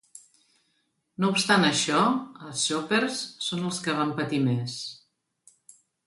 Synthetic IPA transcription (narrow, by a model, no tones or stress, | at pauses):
noupst̪anəʃɔəlˠsːopeɾsːonəlˠskəβampət̪imes